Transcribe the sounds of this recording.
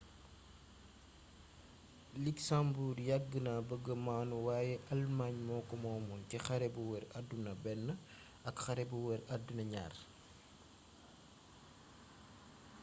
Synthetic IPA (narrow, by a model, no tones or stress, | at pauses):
liksambuːɾjaɡːənabəɡəmaːnuwaːjɛʔɐlmaɲmɔːkɔmɔːmɔncɛxɐɾɛbuwɛɾadːunɐbɛnːə | ɐkxɐɾɛbuwɛɾadːunɐɲa̰ːr